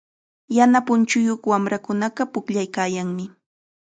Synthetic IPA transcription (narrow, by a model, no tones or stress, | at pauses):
janapʊnt͡ʃʊjoχwamɾakʊnɑqɑpʊkʎajkaːjaŋmɪ